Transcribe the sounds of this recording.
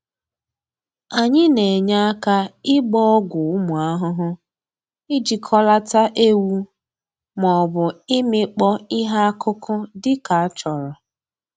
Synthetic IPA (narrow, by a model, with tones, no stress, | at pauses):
a˨ɲɪ˦ne˨ɲa˦a˦ka˦ɪ˦ɡ͡bɔ˦ɔ˦ɡʷʊ˨ʊ˦mʊ˨a˦ɦʊ˦ɦʊ˦ | ɪ˦d͡ʒi˨kʰɔ˦la˦ta˦ʔe˦wu˦ | mɔ˨bʊ˨ɪ˦mɪ˦k͡pɔ˦ɪ˦ɦa˦a˦kʰʊ˦kʰʊ˦dɪ˦ka˨a˦t͡ʃɔ˨ɾɔ˨